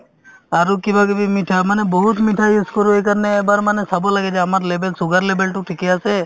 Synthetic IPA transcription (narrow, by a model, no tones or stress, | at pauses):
aɾukibʱaɡebimiʈʰamanebɔɦut̪miʈʰajuskoɾuejkəɾneːbaɾmanesabulaɡed͡ʒaamaɾlebelsuɡəɾlebelʈuʈʰikease